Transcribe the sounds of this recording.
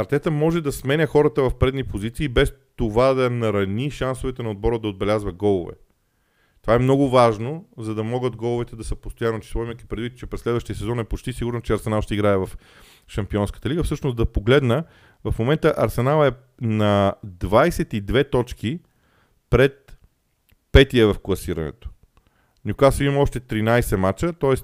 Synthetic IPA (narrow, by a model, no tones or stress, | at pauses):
ɐɾt̪ɛt̪əmɔʒɛd̪ɐsmɛnʲəxɔɾət̪əvɐfpɾɛd̪nipozit̪siːbɛst̪ovad̪ɐnɐɾɐnʲiʃansovɛt̪ɛnɐod̪̚bɔɾəd̪ɐod̪̚bɛlʲazvɐɡɔlˠʊvɛ̰ | t̪ovaɛmnɔɡʊvaʒnozɐd̪ɐmɔɡəd̪ɡɔlˠʊvɛt̪ɛd̪ɐsəpost̪oʊjanːot͡ʃi̥sˠɔiməki̥pɾɛd̪vit̪̚t͡ʃɛpɾɛslɛd̪vəʃt̪ijəsɛzɔnɛpot͡ʃt̪isiɡʊɾnot͡ʃɛɐɾsɛnalˠʃt̪ɛiɡɾaɛvɐf | ʃɐmpiɔnskə̥t̪əliɡəfsɤʃnosd̪ɐpoɡlɛd̪nə | vɐfmomɛnt̪əʔɐɾsɛnalˠɛ | nɐd̪vajsɛt̪id̪vɛt̪ɔt͡ʃki | pɾɛt̪̚ | pɛt̪iəvɐfklˠɐsiɾɐ̰nɛ̰t̪o̥ | nukasimɐmɔʃt̪ɛt̪ɾinajsɛmat͡ʃət̪ɔɛs